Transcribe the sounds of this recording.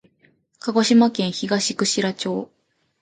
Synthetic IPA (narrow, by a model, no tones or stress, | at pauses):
kaɡo̞ɕimakẽ̞ɰ̃çiɡaɕikɯ̟ɕiɾat͡ɕo̞ː